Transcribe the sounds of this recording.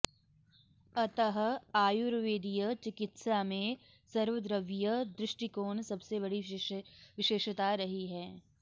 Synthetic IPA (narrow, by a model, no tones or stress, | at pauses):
ɐt̪əɦaːjʊɾʋeːd̪ijət͡ʃɪkɪt̪samẽ | sɐɾʋəd̪ɾəʋjəd̪ɾɪʃʈikoːnsɐbsebɐɽi | ʋɪʃeːʃt̪aɾɐɦiɦɛː